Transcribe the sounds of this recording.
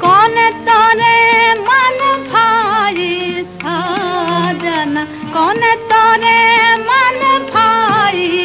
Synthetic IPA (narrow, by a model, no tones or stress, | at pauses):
kɔnet̪ɔɾemanupʰajist̪ʰa | d͡ʒana | kɔnet̪ɔɾemanupʰaji